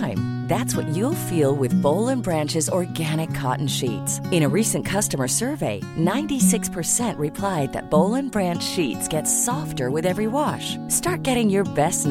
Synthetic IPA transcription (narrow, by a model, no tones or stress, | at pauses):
ɪ̃m | ðætswʌt͡ʃɨlˠfilˠwɪðboʊlˠɨ̃nbɹæ̃nt͡ʃɨzɔɹɡæɾ̃ɨkʰːɑ̰ʔn̩ʃḭtsɨ̃ɾ̃ɨɹisɨ̃nkʰʌstəmə˞sɜ˞veɪnãɪ̃ntisɪkspʰə˞sɛ̃nʔɹɨpʰl̥aɪd̪̚ðɨ̰t̚b̥oʊlˠɨ̃nbɹæ̃nt͡ʃʃitsɡ̥ɛtsɔftə˞wɨðɛvɹiwɑʃstɑɹt̚ɡ̥ɛɾɪ̃ŋjə˞bɛstn